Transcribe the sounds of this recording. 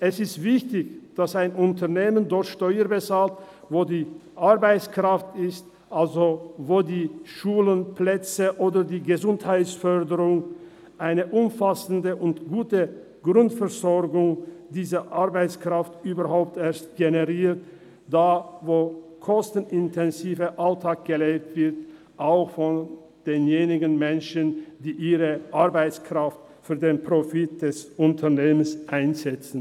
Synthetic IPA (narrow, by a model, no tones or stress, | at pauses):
ʔɛsɪstv̥ɪçtɪçd̥asaɪnʊntʰɐneːməndɔʁtʃtɔʏəbət͡saːlt | voːdiːʔaɐbaɪt͡skʁ̥aftɪst | ʔalzovoːdiːʃuːlənpʰlɛt͡səʔoːdɐdiːɡəzʊnthaɪt͡sfœʁdəʁʊŋ | ʔaɪnəʔʊmfasn̩dəʔʊntɡ̥uːtə | ɡ̥ʁʊntfɛʁzɔʁɡʊŋd̥iːzɐʔaʁbaɪt͡skʁ̥aftʔyːbɐhaʊp̚tʔeːɐstɡ̥enəʁiːɐt | d̥aːvoːkʰɔstn̩ɪntʰɛnziːvəʔaltʰaːk̚ɡ̥əleːk̚tv̥ɪɐt | ʔaʊxfɔn | d̥eːnjeːnɪɡənmɛnʃənd̥iːʔiːʁəʔaɐbaɪt͡skʁ̥aft | fyːɐdeːnpʁ̥ofit̚d̥ɛsʊntʰɐneːmənsʔaɪnzɛt͡sn̩